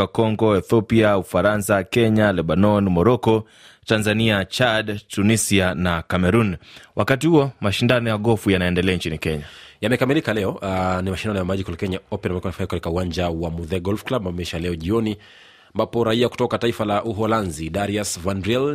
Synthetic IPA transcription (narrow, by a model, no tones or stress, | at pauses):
akɔŋɡɔɛθɔpiaufaɾansakɛɲalɛɓanɔnmɔɾɔkɔ | tanzaniat͡ʃadtunisianakamɛɾunwʔakatihuɔmaʃindanɔjaɠɔfujanaɛndɛlɛaint͡ʃinikɛɲajamɛkamilikalɛɔanimaʃindanɔjamaʄikɔlkɛɲaɔpɛnamɛkɔanafaikati̥kauwaɲd͡ʒawamuðɛɡɔlfklabamɛiʃalɛɔʄiɔni | ambapɔɾaiaku̥tɔkataifalaʔuɦɔlanzidaɾiasvandɾiɛl